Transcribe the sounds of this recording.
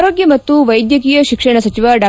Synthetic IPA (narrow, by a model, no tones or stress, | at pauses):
ɾoːɡjɐmɐt̪ːuʋɐjd̪jɐkiːjɐʃikʂɐɳɐsɐt͡ʃiʋɐɖaː